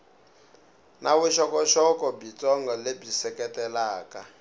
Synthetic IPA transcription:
naβuʃɔkɔʃɔkɔbit͡sɔŋɡɔlebisɛkɛtɛlaːka

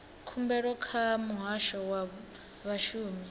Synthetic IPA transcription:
kʰumbɛɺɔkʰamuɦaʃɔwa | βaʃuːmi

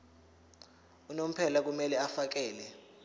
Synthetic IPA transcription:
unom̩pʰɛlak̬umɛlɛafak̬ɛːlɛ

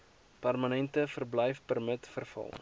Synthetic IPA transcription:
pærmənɛntəfərbləjfpərmətfərfɐ̰lˠ

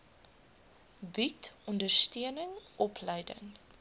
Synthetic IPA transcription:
bitɔndərstøənəŋʔɔpʰlɛjdə̰ŋ

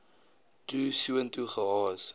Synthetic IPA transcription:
tuːsuəntuχəɦɑːs

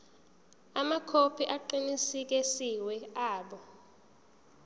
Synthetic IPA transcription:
amakʰopʰiʔaǃinisik̬ɛsiwɛaːɓɔ

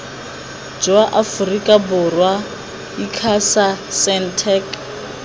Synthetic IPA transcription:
d͡ʒɔaʔafurikʼabʊrwa | ikʰasasɛntʰɛk

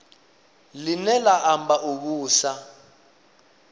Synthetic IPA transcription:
linɛlaʔambaʔuk̬uːsa

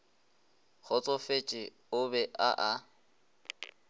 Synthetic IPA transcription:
k͡xʰɔt͡sʼɔfet͡ʃʼɪ | ʊbɛʔa̰ʔa

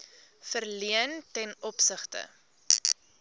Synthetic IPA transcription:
fərliəntɛnɔpsəχtə̰

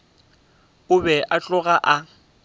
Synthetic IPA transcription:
ʊbɛʔat͡ɬʼʊɣaʔa

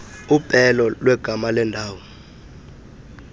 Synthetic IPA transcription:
upʼɛlɔlwɛɡ̥ʱamalɛndʱaːwɔ

